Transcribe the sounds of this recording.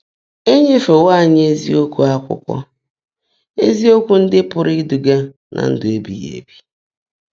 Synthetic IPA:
e˦ɲe˦fe˨wa˦˨ɲ˦e˦zḭ˦o˦kʷu˦a˦kʷʊ̰˦kʷɔ̰˦ | e˦zi˦o˦kʷu˦n̩˦dɪ˦pʊ˨ɾɪ˦du˨ɡa˦ | nʔa̰˨n̩˦dʊ˨e˦bḭ˨jḛ˨bi˦

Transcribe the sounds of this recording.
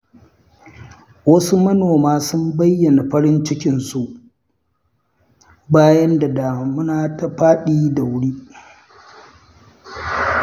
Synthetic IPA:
wɐ˦su˦mɐ˦noː˨maː˦sʊ˦mbɐ˦jːɐ˨na˨ɸɐ˦ɽɪ˦nt͡ʃɪ˦kʲɪ˨nsu˦ʔ | baː˦jɐ˦nda˨daː˨ma˨mʊ˦naː˨ta˨ɸaː˦ɗiː˦da˨wʊ˦ɽiː˦

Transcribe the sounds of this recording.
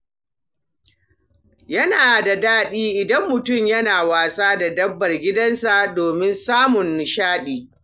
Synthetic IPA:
jɐ˦naː˨da˨daː˦ɗiː˦ʔɪ˨dɐ˦mːʊ˨tʊ˦˨mjɐ˦naː˨waː˨saː˦da˨dɐ˦bːɐ˨rɡʲɪ˦dɐ˦nsa˨doː˨mɪ˦nsaː˦mʊ˨n˨ʃaː˦ɗiː˨

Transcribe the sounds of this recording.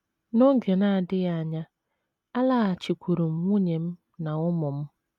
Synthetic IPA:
no˦ŋ˦ɡe˨na˦˨dɪ˦ja˦a˦˨ɲa˦ | a˦la˦a˨t͡ʃi˨kʷu˨ɾu˨m̩˨ŋʷu˦ɲe˨m̩˦ | na˨ʊ˦mɔ˨m̩˦

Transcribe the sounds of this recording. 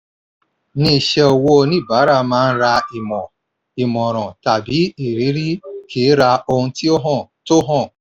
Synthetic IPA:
ni˦˨ʃe˦o˨wo˦˨ni˦˨ba˨˦ɾa˨ma˦n̩˦ɾa˧i˨mɔ˨ | i˨mɔ˨ɾ̃ɔ̃˨ta˨bi˨˦i˨ɾi˨˦ɾi˦kʰe˨˦ɾa˧o˦ti˦o˦ɦɔ˦˨to˦ɦɔ̃˦˨

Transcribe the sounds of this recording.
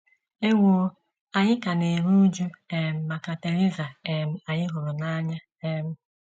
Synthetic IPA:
e˦ŋʷoː˨˦ | a˨ɲɪ˦ka˨ne˨ɾu˦d͡ʒu˦e˨m̩˨ma˨ka˨te˨ɾi˦za˨e˨m̩˦a˨ɲɪ˦ɦʊ˨ɾʊ˨na˦ɲa˦ | e˦m̩˦

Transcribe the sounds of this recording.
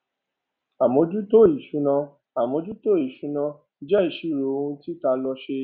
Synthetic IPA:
a˨mɔ̃˧d͡ʒu˦to˦˨i˨ʃu˨˦nã˧ | a˨mɔ̃˧d͡ʒu˦to˦˨i˨ʃu˨˦nã˧ | d͡ʒɛ˦i˨ʃi˨˦˨ɾo˨o˧ũ˧ti˦ta˧lɔ˧ʃe˧

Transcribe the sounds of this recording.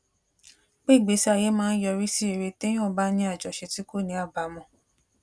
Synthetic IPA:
k͡pe˦˨ɡ͡be˨˦sa˧˨je˨˦mãː˦˧˦n̩˦jɔ˧ɾi˦si˦e˧˨ɾe˧te˦j̃ɔ̃˦˨ba˦nĩ˦a˦˨d͡ʒɔ˨ʃe˧ti˦ko˦˨nĩ˨˦a˦˨ba˨mɔ̃˧

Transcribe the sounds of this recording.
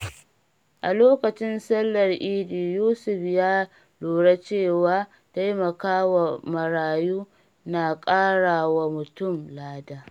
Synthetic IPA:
ʔa˨loː˦kɐ˨t͡ʃɪ˦nsɐ˦lːɐ˨rʔiː˦diː˨juː˦sʊ˨ɸjaː˦ | loː˨ɽa˦t͡ʃeː˦˨waː˦ | ta˦jmɐ˨kaː˦wa˨mɐ˨ɾaː˨juː˦ | naː˨kʼaː˦ɽaː˨wa˦˨mʊ˨tʊ˦˨mlaː˦daː˦

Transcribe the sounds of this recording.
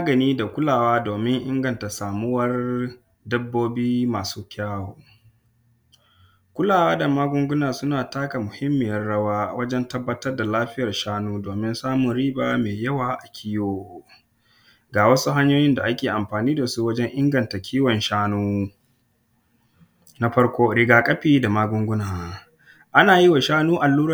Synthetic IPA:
maː˦ɡɐ˨niː˦da˨kʷʊ˦laː˨waː˦doː˨mɪ˦ŋʔɪ˦ŋɡɐ˨nta˨saː˨mʊ˦wɐ˦r | dɐ˦bːoː˦biː˦maː˨suː˦kʲʰaː˦woː˨ | kʷʊ˦laː˨waː˦da˨maː˦ɡʷʊ˦ŋɡʷʊ˦naː˨sʊ˦naː˨taː˦ka˨mʊ˨hɪ˦mːɪ˨jɐ˦rɽɐ˦waː˦wɐ˦d͡ʒɛ˦ntɐ˦bːɐ˦tɐ˦rda˨laː˦ɸɪ˦jɐ˨rʃaː˦nuː˦doː˨mɪ˦nsaː˦mʊ˨nɽiː˦baː˦meː˨jɐ˦waː˨ʔa˨kʲʰiː˦joː˦˨ | ɡaː˨wɐ˦su˦ɦa˦ɲjoː˦jɪ˦nda˨ʔa˦kʲeː˨ʔa˨mɸaː˨niː˦da˨su˦wɐ˦d͡ʒɛ˦ŋʔɪ˦ŋɡɐ˨nta˨kʲʰiː˦wɔ˨nʃaː˦nuː˦ | na˦ɸɐ˦ɽkʷoː˦ɾɪ˦ɡaː˦kʼɐ˦ɸiː˦˨da˨maː˦ɡʷʊ˦ŋɡʷʊ˦naː˨ | ʔa˦naː˨ji˦wa˨ʃaː˦nuː˦ʔa˨lːuː˦ɾ

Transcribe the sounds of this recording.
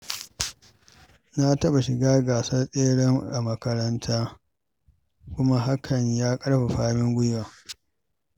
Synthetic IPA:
na˦tɐ˦ɓa˨ʃɪ˨ɡaː˦ɡaː˨sɐ˦sʼeː˦ɽɛ˦ŋʔa̰˨mɐ˦kɐ˦ɾɐ˦ntʰaː˦ | kʷʊ˦ma˦ɦa˦kʰɐ˨ɲjaː˦kʼɐ˦ɽɸa˨ɸaː˦mɪ˦ŋɡʷʊ˦ja˨

